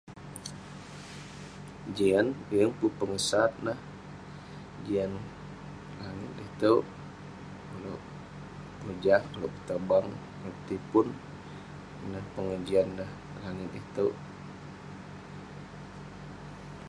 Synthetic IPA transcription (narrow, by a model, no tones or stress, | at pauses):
d͡ʒianjəŋpupəŋəsat̪̚nah | d͡ʒian | laŋɪ̰t̪̚it̪əw | əlo̰ʔ | əd͡ʒahəloʔkət̪əbaŋ | pt̪ipʊn | nahpəŋəd͡ʒianːah | laŋɪt̪̚it̪ə